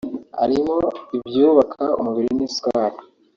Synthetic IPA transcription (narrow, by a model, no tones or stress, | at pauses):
ha̰ɾimoibjuːβakʰaṵmuβiɾinisi̥kaβaːtu̥